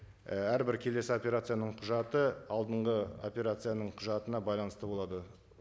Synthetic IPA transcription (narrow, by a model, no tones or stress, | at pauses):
æɾbɪɾkʲʰe̞le̞sɪo̞pʲe̞ɾat̪sɨjanəɴqʰʊʒɑt̪əɑlˠd̪əɴʁəo̞̰pʲe̞ɾat̪sɨjanəɴqʰʊʒɑt̪ənɑbɑjlˠɑnəst̪əbo̞lˠɑd̪ə